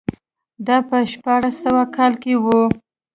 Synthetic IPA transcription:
d̪ɑpəʃpɑɽasawakɑlkewu

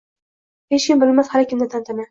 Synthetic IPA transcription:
heʃkʲɪmbɪlmashaɾkʲʰɪmd̪at̪ʰant̪ʰana

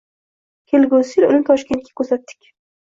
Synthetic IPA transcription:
hʲelɡosilʊ̰lɪnt̪ʰɒʃkʲe̞nt̪̚kʲḁkʲʰɵɾsat̪ːɪ̥kʲ

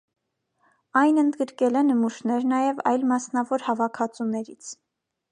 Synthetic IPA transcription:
ɑjnənd̪ɡəɾkɛlɛnəmuʃnɛɾnɑjɛvɑ̰jlmɑsnɑvɔɾhɑvɑkʰɑt͡sunɛɾit͡sʰ

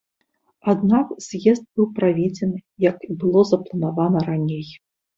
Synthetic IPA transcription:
ad̪nakz̥ʲjɛzd̪̚bɨwpɾavʲed͡zʲɛnɨjɐkibɨlˠɔzɐplˠɐnavanɐɾanʲej

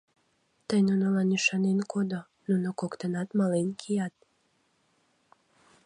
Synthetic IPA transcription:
t̪əjnunolɑnyʃɑnenkod̪o | nunokokt̪ənɑt̪mɑlenkʰijɑt̪̚

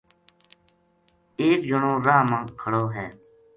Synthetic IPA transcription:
eːkd͡ʒʊɳõːɾaːɦmãːkʰəɽoːɦɛː

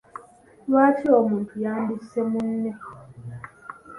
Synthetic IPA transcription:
lwaːtʰiomuːntʰujaːnbisemunːe

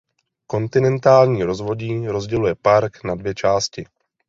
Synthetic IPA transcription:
ko̞nt̪ɪnɛnt̪aːlɲiːɾo̞zvo̞ɟiːɾo̞zɟɛlujɛpaɾknadvjɛt͡ʃaːscɪ

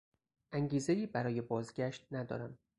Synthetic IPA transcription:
ʔæŋɟiːze̞jiːbæɾɒːje̞bɒːzɡæʃt̪̚næd̪ɒ̰ːɾæm

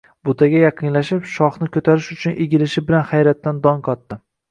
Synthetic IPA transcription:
bʊt̪ʰaɡʲajɑqʰɨnlaʃɪpʃɒχnɪkʰɵt̪ʰaɾɪʃʊt͡ʃʰʊnʔeɡʲɪlɪʃɪbɪlanχajɾat̪ːand̪ɒŋqʰɒt̪ːɪ

